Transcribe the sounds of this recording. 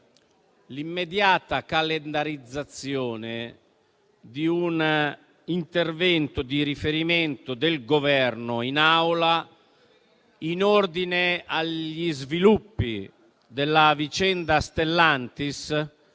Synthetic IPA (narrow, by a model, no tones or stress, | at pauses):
limːed̪jaːt̪akalɛnd̪aɾid̪zːat̪sːjɔːne | d̪iun | int̪ervɛnt̪ʊd̪iɾifeɾimɛnt̪ʊd̪elɡovɛrnʊinawla | inɔrd̪ineaʎizvilupːḭ | d̪elːavit͡ʃɛnd̪ast̪elːant̪is